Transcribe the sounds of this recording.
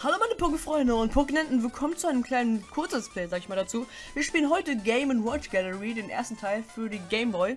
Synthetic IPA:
haloːmaɪnəpʰʊkəfʁ̥ɔʏndəʊnt̚pʰokənɛntʊn̩vɪɐkʰɔmənt͡suaɪnəmkʰl̥aɪnənkʰʊɐt͡səsplɛːzaːɡəɪçmaːldat͡suː | viːɐʃpiːlənɦɔʏtəɡeɪmʊntwɔt͡ʃɡ̥ɛləʁideːnʔḛɐstn̩tʰaɪlfyːɐdiːɡeɪmbɔʏ

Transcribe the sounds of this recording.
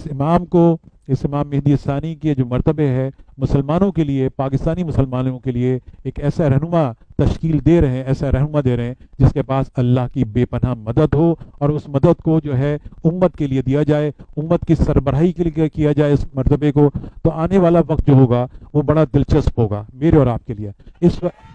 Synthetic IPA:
ɪsɪmaːmko | ɪsɪmaːmːeɦd̪iɪst̪aːniked͡ʒoːmɐɾt̪əbeɦɛmʊsəlmaːnõkeliepaːkɪst̪aːnimʊsəlmaːnõkelieeːkɛːsaɾɐɦnʊmat̪ɐʃkiːld̪eːɾɐɦɛ̃ɛːsaɾɛɦnʊmad̪eːɾɐɦɛ̃d͡ʒɪskepaːsɐlːaːɦkibeːpɐnamɐd̪əd̪ɦoɔːɾʊsmɐd̪əd̪kod͡ʒoːɦɛʊmːət̪̚kelied̪ijad͡ʒaːeʊmːət̪kisɐɾbəɾaːikeekijad͡ʒaːeʊsmɐɾt̪əbekot̪oaːneʋaːlaʋɐk̚t̪̚d͡ʒoːɦoːɡaʋobɐɽad̪ɪlt͡ʃɐspɦoːɡa̰ːmeːɾeɔːɾaːp̚kelieɪsʋɐ

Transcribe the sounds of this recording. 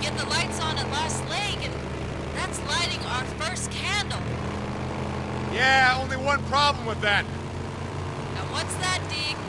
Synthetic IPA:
ɡ̥ɛt̪̚ðəlaɪtsn̩ɨlæstˡlɛɪɡɨ̃n | ðætslaɪɾɪ̃ŋaʊə˞fɜ˞skʰæ̃ndl̩ˠ | jæõʊ̃nliwʌ̃npʰɹ̥ɑblə̃mwɨðæt̚ | ɨ̃nwʌtsðɨt̚d̥i

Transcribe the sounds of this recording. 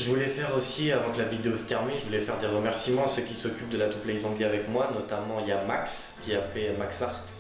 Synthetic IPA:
ʒəvulɛfɛʁosiavɑ̃kəlavid̪eost̪ɛʁmiʒəvulɛfɛʁd̪eʁəmɛʁsimɑ̃søkʲisɔkʲyp̚d̪əlat̪uplɛɡzɑ̃pliavɛkmwanɔt̪amɑ̃iljamakskʲiafɛmaksaʁt̪

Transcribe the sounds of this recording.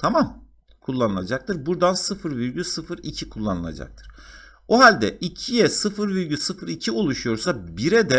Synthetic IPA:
t̪ʰamam | kʰulˠːanɯlˠa̰d͡ʒak̚t̪ʰɯɾbuɾd̪ansɯfɯɾviɾɟysɯfɯɾicʰikʰulˠːanɯlˠa̰d͡ʒa̰k̚t̪ʰɯ̥ɾ̥ | oɦalʲd̪ɛʔicʰijɛsɯfɯɾviɾɟysɯfɯɾicʰio̞lˠuʃujo̞ɾsabiɾɛd̪ɛ

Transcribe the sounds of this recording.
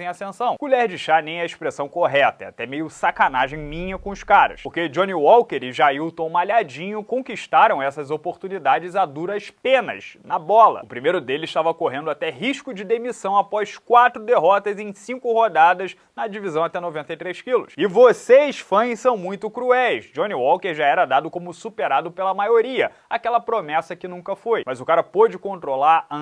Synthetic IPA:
ẽj̃asẽsɐ̃w̃ɡ̥uʎɛɾd͡ʒɪʃanẽj̃ɛɪʃpɾesɐ̃w̃koɦɛt̪ɐɛa̰t̪ɛmejʊsakanaʒẽj̃mĩɲɐkõʊʃkaɾɐ̰ʃpoɾked͡ʒõniwɔwkeɾɪʒaiwt̪õmaʎad͡ʒĩɲʊkõkiʃt̪aɾɐ̃w̃ɛsɐzopoɾt̪unid̪ad͡ʒɪzad̪uɾɐʃpẽnɐ̰znɐbɔlɐ̰ʊpɾimejɾʊd̪elɪziʃt̪avɐkoɦẽnd̪ʊat̪ɛɦiʃkʊd͡ʒɪd̪emisɐ̃w̃apɔʃkwat̪ɾʊd̪eɦɔt̪ɐzẽj̃sĩŋkʊhod̪ad̪ɐz | nɐd͡ʒivizɐ̃w̃at̪ɛnovẽnt̪ɐjt̪ɾejʃkilʊʃɪvosejsfɐ̃j̃sɐ̃w̃mũj̃t̪ʊkɾuɛjsd͡ʒõniwɔwkeɾʒaɛɾɐd̪ad̪ʊkõmʊsupeɾad̪ʊpelɐmajoɾiɐ | akɛlɐpɾomɛsɐkɪnũkɐfojmɐzʊkaɾɐpod͡ʒɪkõnt̪ɾolaɾɐ̃

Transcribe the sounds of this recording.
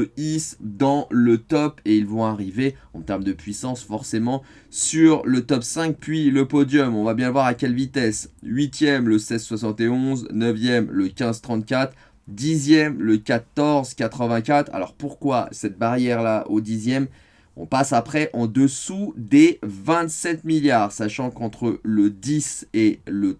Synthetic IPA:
əisd̪ɑ̃lət̪ɔpeilvɔ̃aʁiveɑ̰̃t̪ɛʁmd̪əpɥisɑ̃sfɔʁsemɑ̃ | syʁlət̪ɔpsɛ̃k̚pɥiləpɔd̪jɔmɔ̃vabjɛ̃əvwaʁakʲɛlvit̪ɛsɥit̪jɛmləsɛzswasɑ̃t̪eɔ̃znəvjɛmləkʲɛ̃zt̪χɑ̃t̪̚kʲat̪χ | d̪izjɛmləkʲat̪ɔʁzkʲat̪χəvɛ̃kʲat̪χa̰lɔ̰ʁpuʁkwasɛt̪̚baʁjɛʁlaʔod̪izjɛm | ɔ̰̃pasapχɛʔɑ̃d̪əsud̪evɛ̃t̪sɛt̪miljaːʁsaʃɑ̃kɑ̃t̪χələd̪iselə

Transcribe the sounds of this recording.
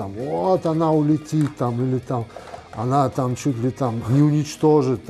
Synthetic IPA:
amvoot̪ɐnaʊlʲɪtʲit̪ːamilʲɪt̪amɐnat̪amt͡ɕut̪̬ʲlʲɪt̪amnʲɪʊnʲɪt͡ɕt̪oʐɨt̪

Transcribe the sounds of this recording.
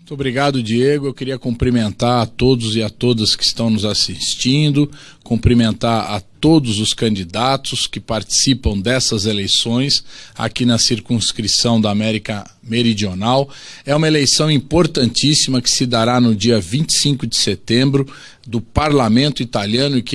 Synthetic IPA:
t̪obɾiɡad̪ʊd͡ʒieɡʊewkɪɾiɐkõpɾimẽnt̪aɾɐt̪od̪ʊzɪat̪od̪ɐskɪist̪ɐ̃w̃nʊzasist͡ʃĩnd̪ʊ | kõpɾimẽnt̪aɾɐ̰t̪od̪ʊzʊskɐ̃nd͡ʒid̪at̪ʊskɪpaɾt͡ʃi̥sipɐ̃w̃d̪ɛsɐzelejsõj̃sa̰kinɐsiɾkũskɾisɐ̃w̃d̪ɐaːmɛɾikɐ | meɾid͡ʒionawɛũmɐelejsɐ̃w̃ĩpoɾt̪ɐ̃nt͡ʃisimɐkɪ̥sɪd̪aɾanʊd͡ʒiɐvĩt͡ʃɪ̥sĩŋkʊd͡ʒɪset̪ẽmbɾʊ | d̪ʊpaɾlamẽnt̪ʊit̪aliɐ̃nʊɪkɪ

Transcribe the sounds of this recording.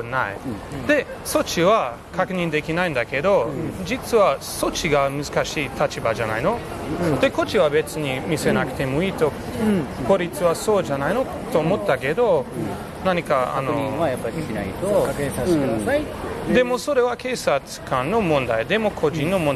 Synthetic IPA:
naid̪̥e̞ | so̞t͡ɕiβa | kʰakɯ̟ɲ̟ĩnd̪e̞kʲinaĩnd̪ake̞d̪o̞d͡ʑit͡sɨβaso̞t͡ɕiɡamɯzɨkaɕiːt̪ʰat͡ɕibad͡ʒana̰ino̞ | d̪̥e̞ko̞t͡ɕiβabe̞t͡sɨɲ̟imʲise̞nakt̪e̞mo̞iːt̪o̞ | ko̞ɾʲit͡sɨβaso̞ːd͡ʒanaino̞ | t̪o̞ːmo̞t̪ːake̞d̪o̞ | naɲ̟ikaa̰noajapːaɾnait̪okaaat̪ːed̪e̞mo̞so̞ɾe̞βake̞ːsat͡sɨ̥kãnnːo̞mõnd̪aid̪e̞mo̞kʰo̞ʑĩnːo̞mõn

